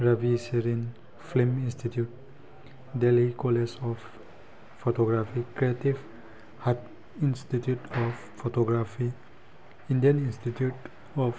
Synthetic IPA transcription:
ɾaviseɾĩn | flĩmĩnstitjut̚ | delikolesɔf | fotoɡɾafikɾiativ | hat | ĩnstitjutʰɔf | fotoɡɾafi | ĩndiə̃nĩnstitʰjut | ɔv

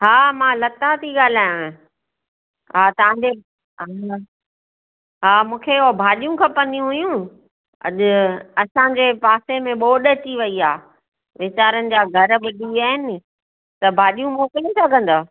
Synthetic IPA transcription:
ɦaːmãlɐt̪at̪ʰiɠaːl̤aːjõẽ | ɦaːt̪ɐʋ̤ãːɲd͡ʑe | ɦaːmũːkʰebʱaːɗijũkʰɐpɐ̃nd̪ijũɦʊjũ | ɐ̰ʄʊɐsãd͡ʑeːpaːsemẽɓoːɗət͡ɕiʋɐiaː | ʋɪt͡ɕaːɾənɪ̆d͡ʑaːɡʱɐɾbɪɗiaːɦɪnɪ̆ | t̪ɐbʱaːɗijũmoːkəlĩsɐɡʱə̃nd̪oː

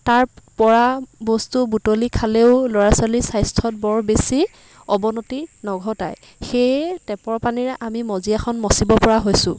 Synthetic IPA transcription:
taɹpɔɹabɔstubutolikʰaleʊlɔɹasalisajstʰɔt̚bɔɹbesi | ɔbɔnotinɔɡʱɔtaj | xejtɛpɔɹpaniɹʔamimɔziaxʰɔnmɔsibɔpɔɹaɦojsʊ̃

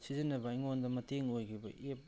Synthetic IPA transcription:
sizinːɐbɐiŋondɐmɐtʰeŋojkʰibɐ̰ʔep̚

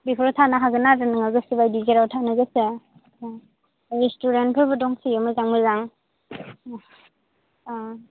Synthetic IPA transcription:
bipʰɾɔtʰanaɦaɡɯnaɾɯnɯŋaɡɯsibajdizeɾawtʰanɯɡɯse | ɾestuɾentpʰɯɾbɯdɔŋsijɔmɯzaŋbɯzaŋ

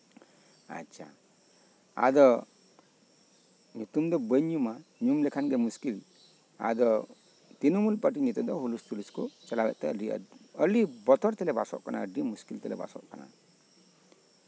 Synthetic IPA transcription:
a̰tːt͡ʃʰa | a̰d̪ɔ | t̪umd̪ɔbəɲumaɲumlɛkʰanɡɛmuskil | a̰d̪ɔ | t̪inumulpəʈ̬iɲit̪ɔd̪ɔɦulust̪uliskut͡ʃalabɛʔt̪ɛəlḭəlibɔt̪ʰɔɾt̪ɛlɛbasɔ̰ʔkana̰əɖimuskilt̪ɛlɛba̰sɔ̰ʔkana̰

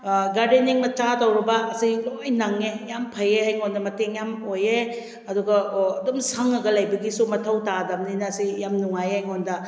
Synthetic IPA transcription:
ɡaɾdeniŋmɐt͡ʃatɐwɾibɐːsilojnɐŋejampʰɐjeajŋondɐmɐteŋjamoje | ɐduɡɐːdomsɐŋɐɡɐlɐjbɐɡisumɐtʰɐwtadɐmninɐsijamnuŋajajŋondɐ

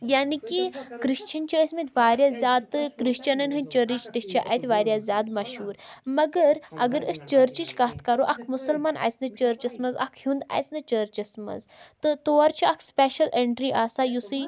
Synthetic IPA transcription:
jaːnikikɾiʃt͡ʃɐnt͡ʃiːsʲmit̪ʲʰʋaːɾʲjazʲjaːd̪̚t̪ːɨkɾiʃt͡ʃɐnɐnɦɐnʲt͡ʃəɾit͡ʃt̪ist͡ʃaʔɐ̰jt̪ʲʋaːɾʲjazʲjaːd̪mɐʃɦuːɾmɐɡəɾɐ̰ɡəɾəst͡ʃəːɾt͡ʃit͡ʃkɐːt̪kɐɾoʔɐkʰmusɐlmaːnʔa̰jt͡snɨt͡ʃəːɾt͡ʃɐsmɐzɐ̰kʰhũnd̪a̰jt͡snɨt͡ʃəːɾt͡ʃɐsmɐ̰zt̪ɨt̪oːɐɾt͡ʃiɐkʰspeʃɐleɳʈɾiʔaːsajusɨ

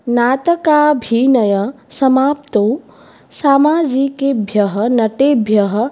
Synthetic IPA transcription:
naːt̪əkaːbʱiːnɐjɐsɐmaːpt̪oː | saːmaːd͡ʒikebʱjɐɦɐnɐʈeːbʱjɐɦɐ̆

